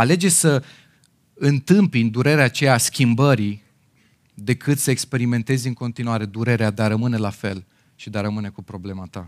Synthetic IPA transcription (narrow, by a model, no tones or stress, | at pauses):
ale̞d͡ʒe̞sə | ɨnt̪ɨmpind̪uɾe̞ɾeat͡ʃe̞jaskʲimbəɾi | d̪e̞kʰɨt̪səe̞kspe̞ɾime̞nt̪e̞zɨŋko̞nt̪inuaɾe̞d̪uɾe̞ɾead̪eaɾəmɨne̞lafe̞l | ʃid̪eaɾəmɨne̞kupɾo̞ble̞mat̪a